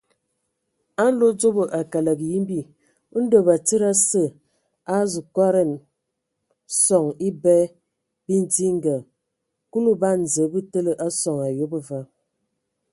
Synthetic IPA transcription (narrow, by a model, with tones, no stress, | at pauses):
a˦n̩˦lo˦d͡ʒo˦bə˨ʔa˨ka˨la˨kji˦m˦bi˦˨˦ | n̩˦də˨ba˨t͡sə˦ɾa˦sə˦˨ | a˦zu˨kwa˦ɾɛ˦˨n | sɔ˨ŋi˦bɛ˦ | bi˦n˦ti˦ŋ˦ɡa˨ | ku˦lu˦ba˦n˨zə˨˦bə˦tə˦lə˨ʔa˦sɔ˨ŋa˨jo˦bə˦va˦